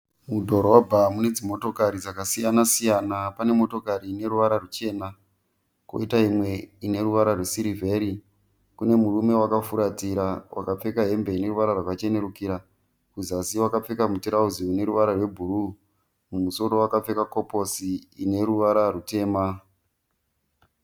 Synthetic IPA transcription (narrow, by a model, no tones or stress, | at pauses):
mudʱo̞ɾo̞bʱamune̞d͡zimo̞to̞kaɾid͡zakasijanasijanapane̞mo̞to̞kaɾine̞ɾuʋaɾarut͡ʃe̞ːna | ko̞̰itaɦimwe̞ine̞ɾuʋaɾarwesiɾivʱe̞ɾi | kune̞murume̞wakafuɾatiɾawʔa̰kap͡fe̞kaɦe̞mbe̞ine̞ɾuʋaɾarwakat͡ʃe̞ne̞ɾukiɾa | kuzasiwakap͡fe̞kamutiɾauziune̞ɾuʋaɾarwe̞bʱuru | mumuso̞ɾo̞wakap͡fe̞kako̞po̞siːne̞ɾuʋaɾarute̞ːma